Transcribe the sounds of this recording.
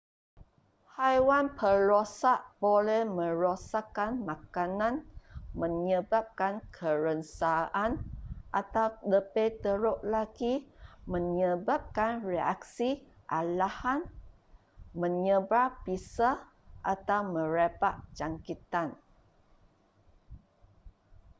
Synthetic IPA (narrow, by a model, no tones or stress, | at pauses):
hajwanpʰəlosaʔb̥olɛhmə̃ɾosakanmakanãnmə̃ɲəbap̚kankʰəɾənsaʔanʔat̪awdəpejt̪əɾoʔlaɡimə̃ɲəbap̚kanrea̰k̚si | ʔalahan | mə̃ɲəbɾapisa | ʔat̪awmə̃ɾepaʔd͡ʒaŋkit̪an